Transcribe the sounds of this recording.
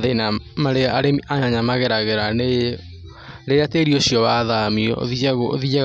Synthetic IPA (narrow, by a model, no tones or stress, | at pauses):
ðenamaɾeaɾeaɲaɲamaɣɛɾaɣɛɾane | ɾeateɾioɕiɔwaðamiɔ̰ðiðia